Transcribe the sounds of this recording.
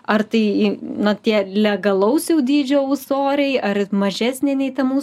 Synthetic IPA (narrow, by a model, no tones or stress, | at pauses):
ɐrt̪ɐɪnɐt̪ʲiɛlʲɛɡɐlˠɐʊsjɛʊd̪ʲiːd͡ʒʲoːʊsoːɾʲɛɪɐrmɐʒʲæːsʲnʲɪnʲɛɪt̪ɐmuːs